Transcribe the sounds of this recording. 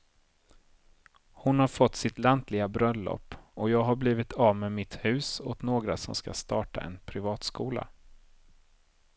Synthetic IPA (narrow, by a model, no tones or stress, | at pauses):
hʊnhaɾfɔt̪ːsɪt̪lant̪lɪɡabɾœlːɔ̰pːɔjɑːɡɦaɾbliːvɪt̪ʰɑːvmeːmɪt̪hʉ̟ːsɔt̪noːɡɾasɔ̰mskast̪ɑːʈa̰ʔɛ̰npʰɾɪvɑːt̪skuːla̰